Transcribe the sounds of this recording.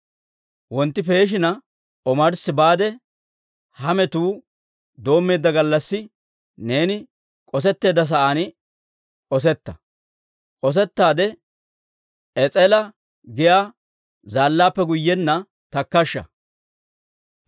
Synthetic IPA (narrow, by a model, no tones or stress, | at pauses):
wɔnt̪ːɪpe̞ːʃ̬ɪnɐ | ʔɔmɐɾsɪbaːd̪ɛ | hɐmɛt̪uː | d̪o̞ːmːe̞ːd̪ːɐɡɐlːɐsːɪ | ne̞ːnɪ | kʼɔs̬ɛt̪ːe̞ːd̪ːɐs̬ɐʔan | ʔɔs̬ɛt̪ːɐ | ʔʼɔs̬ɛt̪ːaːd̪ɛ | ɛt͡sʼɛlɐ | ɡɪjaː | zaːlːaːpːɛɡʊjːɛnːɐ | t̪ɐkːɐʃːɐ̰